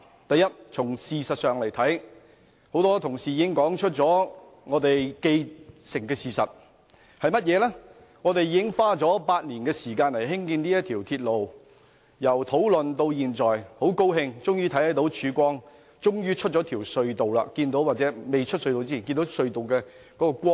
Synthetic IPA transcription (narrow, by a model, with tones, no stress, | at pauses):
t̪ɐ˨jːɐ˥t̚t͡sʰʊ˨˩ŋsiː˨sɐ˨t̚sœː˨ŋlɐ˨˩jt̪ʰɐ˨˥j | ho˨˧˥wt̪ɔː˥t̪ʰʊ˨˩ŋsiː˨˩jiː˨ɪ˥ŋkɔː˨˥ŋt͡ʃʰɵ˥t̚t͡sɔː˨˥ | ŋɔː˨˧t̪e˨jke˧jsɪ˨˩ŋkɛː˧siː˨˩sɐ̰˨t̚ | hɐ˨jmɐ˥t̚jɛː˨˧lɛː˥ | ŋɔː˨˧t̪e˨jiː˧˦ɪ˥ŋfaː˥t͡sɔː˨˥paː˧t̚liː˨˩nkɛː˧siː˨˩kaː˧nlɐ˨˩jɦɪ˥ŋkiː˧ni˥jɐ˥t̪̚ʰiː˨˩wt̪ʰiː˧t̚lo˨w | jɐ˨˩wt̪ʰo˨˥wlɵ˨nt̪o˧wjiː˨˩nt͡sɔː˨jho˨˥wko˥wɦɪ˧ŋt͡sʊ˥ŋjyː˥t̪ʰɐ˨˥jhɐ˨˥jt̪o˨˥wt͡ʃʰyː˨˥kʷɔː˥ŋ | t͡sʊ˥ŋjyː˥t͡ʃʰɵ˥t̚t͡ʃɔː˨˥t̪ʰiː˨˩wsɵ˧ɥt̪o˨wla̰˧kiː˧nt̪o˨˥waː˨t̚t͡sɛː˨˥me˨jt͡ʃʰɵ˥t̚sɵ˧ɥt̪o˨wt͡siː˥iː˨˩nki˧nt̪o˨˥wsɵ˧ɥt̪o˨wkɛː˧ | kɔː˨˥kɔː˧kʷɔː˥